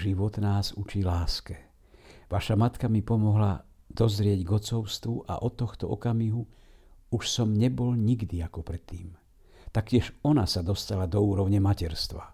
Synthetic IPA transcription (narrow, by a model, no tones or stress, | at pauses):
ʒiʋɔt̪naːzut͡ʃilaːskɛ | ʋaʃamat̪kamipɔmɔɦlad̪̥ɔzɾɪɛɟɡɔt͡sɔʊst̪ʋuʔa̰ʔɔt̪ːɔxt̪ɔɔ̰kamiɦu | uʃsɔmɲɛbɔlɲiɡd̪iakɔpɾɛt̪ːiːm | t̪akcɪɛʃɔnasad̪ɔst̪alad̪ɔuːɾɔʊɲɛmacɛɾst̪ʋa̰